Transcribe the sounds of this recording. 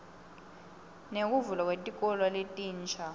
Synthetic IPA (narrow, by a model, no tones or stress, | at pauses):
nek̬uvulwak̬wetʼik̬ʼɔlwaletʼiːnt͡ʃʰa